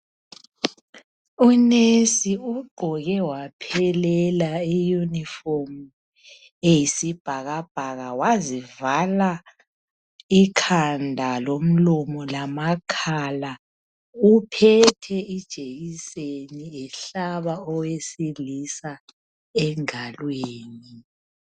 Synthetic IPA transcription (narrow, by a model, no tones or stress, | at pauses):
unesiuɡ͡ǃʱɔɣɛwapʰɛlɛlaijuniformu | ejisib̥ʱaɣab̥ʱaɣawazivala | ikʰandʱalom̩lɔmɔlamakʰala | upʰɛtʰɛid̥ʒ̥ʱeɣiseniɛɬaβaɔwesilisa | ɛŋalweːni